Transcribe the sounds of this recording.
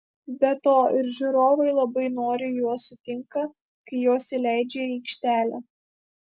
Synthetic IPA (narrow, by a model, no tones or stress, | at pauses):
bʲɛt̪oːɪɾʒʲʊɾoːʋɐɪlˠɐbɐɪnoːɾʲɪjuɔsʊt̪ʲɪŋkɐ | kɐɪjoːsʲɪlʲæˑɪd͡ʒʲeːiːkʃʲt̪ʲæːlʲɛː